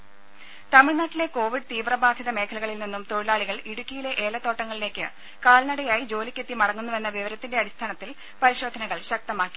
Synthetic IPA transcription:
t̪ɐmiɭnaːʈːile̞ko̞ːʋiɖt̪iːʋrɐbaːd̪ʱiðɐme̞ːkʰɐlɐɣɐɭilninːumt̪o̞ɻilaːɭiɣɐɭiɽukʲːijileʔe̞ːlɐt̪ːo̞ːʈːɐŋːɐɭile̞ːkʲːɨ | kaːlnɐɽɐjaːjid͡ʑo̞ːlikʲːe̞t̪ːimɐɽɐŋːunːuʋe̞nːɐʋiʋɐɾɐt̪ːinde̞ɐɽist̪ʰaːnɐt̪ːil | pɐɾiɕo̞ːd̪ʱɐnɐɣɐɭɕɐk̚t̪ɐmaːkːi̥

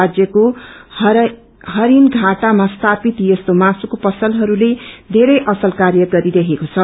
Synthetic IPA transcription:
ad͡zjʌko | ɦʌɾinɡʱaʈamast̪ʰapit̪jʌst̪omasukopʌsʌlɦʌɾuled̪ʱeɾʌjʔʌsʌlkarjʌɡʌɾidʌkʰekot͡sʰʌ

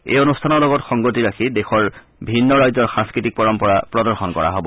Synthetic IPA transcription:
ḛjonustʰanɔɹlɔɡɔtxɔŋɡotiɹakʰidexɔɹ | bʱinːɔɹajzɔɹxãŋskɹitik̚pɔɹɔmpɔɹapɹɔdɔɹxɔnkɔ̰ɹa̰ɦobɔ

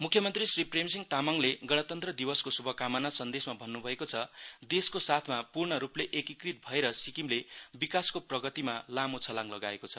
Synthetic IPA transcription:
mukʰjʌmʌnt̪risripremsiŋt̪amʌŋleɡʌɽ̃ʌt̪ʌnt̪rʌd̪ibʌskosubʱʌkamanasʌnd̪esmabʱʌnːubʱʌekot͡sʰʌd̪eskosat̪ʰmapurɳʌɾupleʔekikrit̪̚bʱʌeɾʌsikimlebikaskoprʌɡʌt̪imalamot͡sʰʌlaŋlʌɡaekot͡sʰʌ

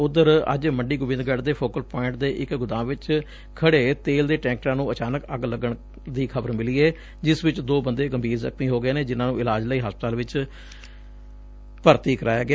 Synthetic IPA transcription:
ʊd̪əɾə̰d͡ʒməɳɖiːɡʊbɪ̃nd̪ɡɛʈd̪eːpʰoːkəlpɔːɪ̃ɳʈ̚d̪eːʔɪkɡʊd̪ãːʋɪt͡ʃ | kʰəɽeːt̪eːld̪eːʈɛ̃ːŋk̚ʈɾãːnũːət͡ʃaːnəkəɡləɡəɳ | d̪iːkʰəbəɾmɪliːeː | d͡ʒɪsʋɪt͡ʃd̪oːbənd̪eːɡəmbʱiːɾzə̰kʰmiːɦoːɡeːnẽːd͡ʒɪnãːnũːɪlaːd͡ʒləiːɦaːspət̪aːlʋɪt͡ʃ | pəɾt̪iːkəɾaːjaːɡɪ

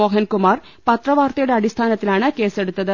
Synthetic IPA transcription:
oːɦɐnkumaːr | pɐt̪rɐʋaːrt̪ɐjuɽe̞ɐɽist̪ʰaːnɐt̪ːilaːɳɨke̞ːse̞ɽut̪ːɐðɨ

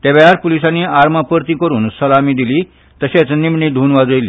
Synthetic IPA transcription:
t̪eʋaɾpolisanːiːaɾmapəɾt̪ĩkəɾuːnsəlamiːd̪iliː | t̪əɕat͡snimɳiːd̪ʱuːnʋad͡zojlḭː

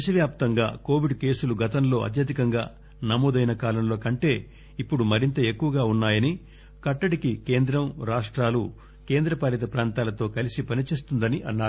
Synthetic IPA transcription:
iʃɐʋjaːp̚t̪ɐŋɡa̰ːko̞ːʋiɖke̞ːsuluɡɐt̪ɐmlo̞ːʔɐ̰t̪̬jɐd̪ikɐŋɡa̰ː | nɐmoːd̪ɐjnɐkaːlɐmlo̞ːkɐɳʈe̞ː | ipːuɽumɐɾint̪ɐe̞kːuʋɐɡaːunːaːjɐni | kɐʈːɐɽikike̞ːnd̪ɾɐmɾaːʂʈɾaːlu | ke̞ːnd̪ɾɐpaːlit̪̬ɐpɾaːnt̪aːlɐt̪o̞ːkɐlisipɐnit͡ʃeːs̬t̪und̪ɐniʔɐnːaːɾu

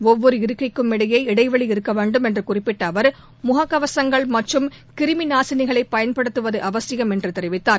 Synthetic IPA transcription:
ɔʋːɔɾɯɪɾɯkːɐɪkːɯmɪɽɐjɐɪɪɽɐɪʋɐɭiɪɾɯkːɐʋeːɳɖɯmɛndrɯkʊrɪpːɪʈːɐːʋɐɾ | mʊɣɐkːɐʋɐsɐŋɡɐɭmɐʈrɯm | kɪɾɯmɪnaːsɪnɪɣɐɭɐɪpːɐjɐnpɐɽɯt̪ːɯʋɐðɯʔɐʋɐsɪjɐmɛndrɯt̪ɛɾɪʋɪt̪ːaːɾ

